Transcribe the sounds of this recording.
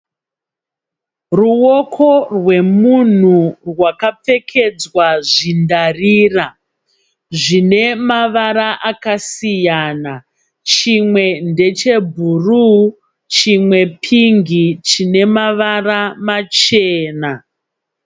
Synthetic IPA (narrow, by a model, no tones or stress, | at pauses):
ruwo̞kʰo̞rwe̞mun̤urwakap͡fe̞kʰe̞d͡zwaʐindariːra | ʐine̞maʋaɾaʔakasijana | t͡ʃimwe̞nde̞t͡ʃe̞bʱuru | t͡ʃimwe̞pʰiŋɡit͡ʃine̞maʋaramat͡ʃeːna